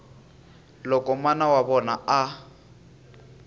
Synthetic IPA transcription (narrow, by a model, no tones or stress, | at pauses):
lɔkʼɔmanawabɔnaa